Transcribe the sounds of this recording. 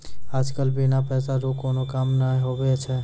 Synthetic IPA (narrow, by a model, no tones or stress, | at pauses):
aːd͡ʒkəlbinapɛːsaɾokonokamnaĩɦobɛt͡ʃʰɛ